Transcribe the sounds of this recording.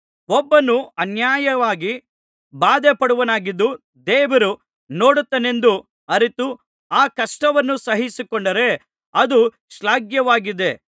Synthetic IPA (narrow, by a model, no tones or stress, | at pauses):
ɔbːɐnːuɐnjaːjɐʋaːɡi | baːd̪epɐɽuʋɐnaːɡid̪ːu | d̪ɛːʋɐɾu | no̞ːɽut̪ːɐne̞nd̪u | ɐɾit̪u | aːkɐʂʈɐʋɐnːusɐɦisikoɳɖɐɾe̞ | ɐd̪u | ʃlaːɡjɐʋaːɡid̪e̞